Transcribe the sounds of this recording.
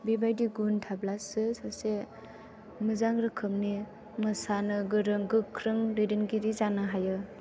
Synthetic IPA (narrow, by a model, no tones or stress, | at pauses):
bibajdiɡuntʰablasɯsase | mɯzaŋɾɯkʰɯmni | mɯsanɯɡɯɾɯŋɡɯkʰɾɯŋɾidinɡiɾizanɯɦajɯ